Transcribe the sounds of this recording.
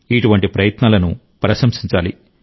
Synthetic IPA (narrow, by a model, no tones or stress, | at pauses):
iʈuʋɐɳʈipɾɐjɐt̪naːlɐnu | pɾɐʃɐmʂiɲt͡ʃa̰ːlḭ